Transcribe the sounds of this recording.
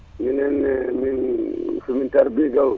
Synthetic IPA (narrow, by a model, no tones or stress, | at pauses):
minɛnminfimintaɾbiɡal